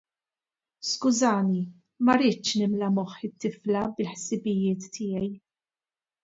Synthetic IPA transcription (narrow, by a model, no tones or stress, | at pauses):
skʊzɐːni | mɐɾɪːt͡ʃnɪmlɐmɔħɪt̪ːɪflɐbɪlħsɪbɪjɪːt̪ːɪjɛj